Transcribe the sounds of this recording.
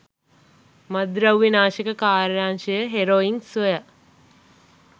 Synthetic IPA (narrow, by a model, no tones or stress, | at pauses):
mad̪ɾawʋinaːʃekəkaːɾjaːnʃəjəɦeɾoːiŋsʋoja